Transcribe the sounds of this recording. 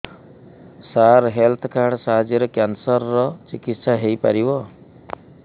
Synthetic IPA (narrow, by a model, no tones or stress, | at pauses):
saɾɦelt̪ʰɔkaɾɽsaɦd͡ʒeɾɔkjansɔɾːɔt͡ʃikit̪saɦejpa̰ɾibɔ